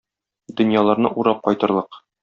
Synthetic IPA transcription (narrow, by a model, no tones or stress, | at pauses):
d̪ɵ̆njɑlˠɑɾnɤ̰ʔuɾɑp̚qɒjt̪ɤ̆ɾlˠɤq